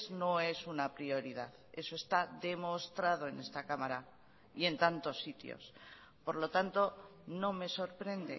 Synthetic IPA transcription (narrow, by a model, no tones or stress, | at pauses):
zno̞e̞sunapɾio̞ɾiðað | e̞so̞e̞st̪aðe̞mo̞st̪ɾað̞o̞e̞ne̞st̪akamaɾa | ie̞nt̪ant̪o̞sːit̪jo̰s | po̞ɾlo̞t̪ant̪o̞no̞me̞so̞ɾpɾe̞nd̪e̞̰